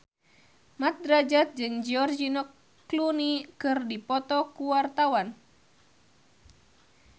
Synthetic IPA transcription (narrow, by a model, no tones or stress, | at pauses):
mat̪̚d̪ɾad͡ʒat̪̚d͡ʒɨŋd͡ʒiɔrd͡ʒinɔkː | lunikɨrdipɔt̪ɔkuwart̪awan